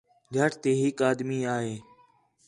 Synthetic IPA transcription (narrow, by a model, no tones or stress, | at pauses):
d͡ʒʱəaʈt̪eːɦɪkaːd̪miːaːɦeː